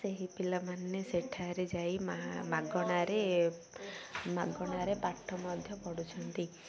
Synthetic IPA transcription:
seɦipilamanːeseʈʰaɾed͡ʒajmamaɡɔɽ̃aɾe | maɡɔɽ̃aɾepaʈʰːɔmɔd̪ʱjɔpɔɽut͡ʃʰɔnt̪i

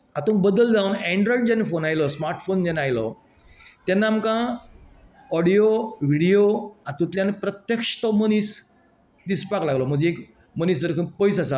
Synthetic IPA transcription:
at̪õnbəd̪əld͡zawunɛɳɖɾɔjɖd͡ʑanːefonajlɔsmaɾʈfond͡ʑɛnajlɔ | t̪janːaːmkã | ɔɽijoʋiɽijoat̪ũt̪ljãnepɾət̪jəkʂt̪ɔmənis | d̪ispaklaɡlɔm̤əd͡ʑeek | mənisd̪əɾkʰəpəjs̬asa

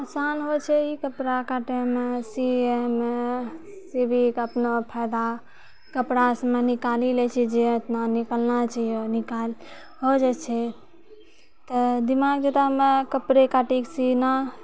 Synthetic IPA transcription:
asanɦot͡ʃʰɛikəpɾakaʈemesieme | sibikəpnopʰajd̪a | kəpɾasəmenikalilɛt͡ʃʰɛd͡ʒet̪nanikəlnat͡ʃaɦijonikal | ɦod͡ʒɛt͡ʃʰɛ | t̪ɔd̪imaɡd͡ʒet̪aɦmekəpɾekaʈiksina

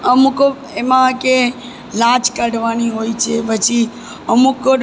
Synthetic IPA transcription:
əmuko | emãke | lãt͡ʃkəɽʋaniɦoit͡ʃʰeʋət͡ʃʰi | əmuko

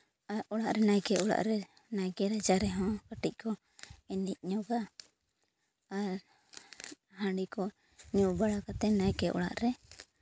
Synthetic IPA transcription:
aʔɔɽaʔɾɛnajkɛɔɽa̰ʔɾɛ | najkɛɾad͡ʒaɾɛɦɔ̃kaʈic̚ˀkʰɔ | ɛnic̚ˀɲɔɡa | ɾ | hãɖikɔ | ɲuʔbaɽakat̪ɛnajkɛʔɔ̰ɽa̰ʔɾɛ

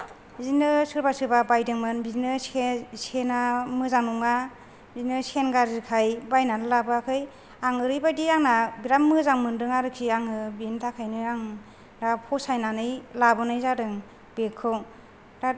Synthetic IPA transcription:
zinɯsɯɾbasɯbabajdɯŋmɯnbizinɯsenamɯzaŋnuŋa | biznɯsenɡaɾziɾkʰajbajnanɯlabakʰɯj | aŋɯɾɯjbajdijaŋnabiɾamːɯzaŋmɯndɯŋaɾɯkʰiaŋɯbintʰakʰajnɯaŋ | dapʰɔsajnanɯjlabɔnɯjzadɯŋ | bekʰːɯw | da

